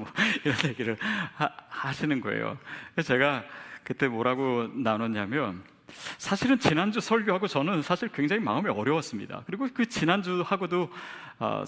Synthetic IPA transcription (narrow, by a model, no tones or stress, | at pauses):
mʌiɾʌnjeɡiɾɯɭahaɕʰinɯnɡʌḛjo̰et͡ɕe̞ɡakɯt͈e̞mʌɾaɡonanonamjʌn | sʰaɕʰiɾɯnt͡ɕinand͡ʑusʰʌɭɡjoɦaɡot͡ɕʌnɯnsʰaɕʰiɭkweŋd͡ʑaŋima̰ɯmeʌɾjʌwas͈ɯmɲḭda̰kɯɾiɡokɯt͡ɕinand͡ʑuhaɡodoʌ̰